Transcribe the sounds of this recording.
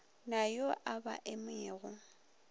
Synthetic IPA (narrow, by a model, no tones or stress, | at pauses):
najoʔaba̰ʔɪmɛːɣʊ